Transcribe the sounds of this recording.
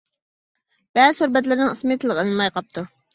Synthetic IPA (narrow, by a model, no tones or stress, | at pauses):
b̥ɛzhuɾbɛt̪̬lɪɾnɨŋɨsmet̪ʰɨlˠəqenɨnmɑjqʰɑp̚t̪ʰu